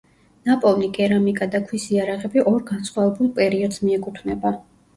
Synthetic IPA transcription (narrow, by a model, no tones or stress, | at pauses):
napʼɔlˠniɡʼɛɾamikʼad̪akʰwisiaɾaʁɛbiʔɔɾɡansχwavɛbulˠpʼɛɾiɔd̪z̥miɛkʼut̪ʰvnɛba